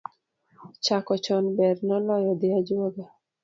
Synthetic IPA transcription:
t͡ʃakɔt͡ʃɔnbɛrnɔlɔjɔd̪ɪad͡ʒoɡa

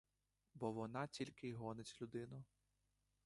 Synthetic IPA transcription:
bɔʋɔnɑtʲilʲkɪɦɔnet͡sʲlʲʊd̪ɪnʊ

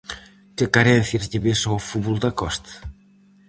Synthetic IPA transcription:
kekaɾɛnθjazʎeβesoafuβulˠd̪akɔst̪

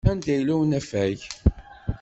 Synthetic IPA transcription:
ænd̪æjlæwənæfæʝ

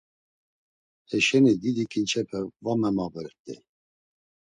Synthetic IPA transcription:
hɛʃɛnid̪id̪ikʼint͡ʃʰɛpʰɛvamɛmavəɾt̪ʼɛ̰

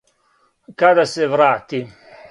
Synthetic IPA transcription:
kad̪asɛvɾat̪ːi

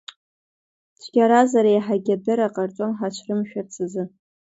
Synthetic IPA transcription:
t͡ʃʰɡʲaɾazaɾajħaɡʲabɨɾaqʼart͡ʃʷʼonħat͡ʃʷʰrɨmʃᶣart͡sʰɨzɨ

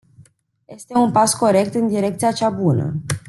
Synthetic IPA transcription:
je̞st̪e̞unpasko̞ɾe̞k̚t̪ɨnd̪iɾe̞k̚t̪sijat͡ʃabunə̰

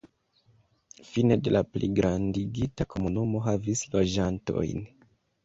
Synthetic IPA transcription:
fine̞de̞laplḭɡɾandiɡitakʰo̞munumo̞ɦavislo̞d͡ʒanto̞̰jn

